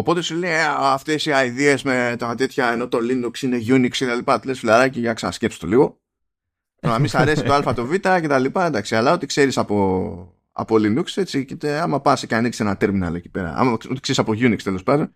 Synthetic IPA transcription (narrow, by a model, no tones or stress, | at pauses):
opo̞t̪e̞suleaft̪e̞siɐjðie̞zmet̪at̪e̞t̪çɐe̞no̞t̪o̞linuksine̞ʝunikset̪alipɐt̪ulesfilaɾɐciʝaksɐnɐsce̞pso̥t̪o̞liɣo̞ | amisɐɾe̞si̥t̪oalfɐt̪o̞vit̪ɐce̞t̪ɐlipɐend̪ɐksialɐo̞t̪ikse̞ɾisɐpo̞ | ɐ̰po̞linukse̞t͡sicet̪eamɐpɐseceaniksenɐt̪e̞ɾminoɐ̰loeci̥pe̞ɾɐ̰ɐ̰mɐot̪i̥kse̞ɾisaɐpo̞ʝunikst̪e̞lo̞spɐnd̪o̞n